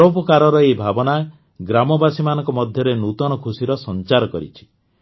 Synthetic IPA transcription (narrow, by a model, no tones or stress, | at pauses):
opɔkaɾɔɾɔebʱabɔna | ɡɾamɔbasimanɔŋkɔmɔd̪ʱjɔɾenut̪ɔnɔkʰusiɾɔsɔnt͡ʃaɾɔkɔɾḭt͡ʃʰi̥